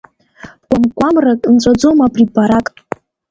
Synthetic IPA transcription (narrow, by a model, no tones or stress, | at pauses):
b̥ɡʷamɡʷʼamrakʼnt͡sʷʼad͡zomapʼripaɾakʼ